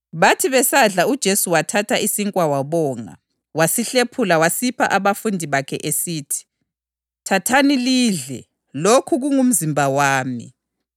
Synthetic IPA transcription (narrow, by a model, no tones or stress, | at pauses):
βatʰiβɛsaɮaud̥ʒ̥ʱesuwatʰatʰaʔisiŋkʼwawaβɔːŋa̰ | wasiɬepʰulawasipʰa̰ʔaβafundʱiβakʰɛ̰ʔesiːtʰi̥ | tʰatʰaniliːɮɛ̰ | lokʰuɣuŋum̩zimbʱawaːmḭ